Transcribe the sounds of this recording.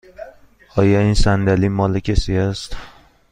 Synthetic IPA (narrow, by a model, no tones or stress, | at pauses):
ɒjainsand̪alimɒlɪkʲʰesiast̪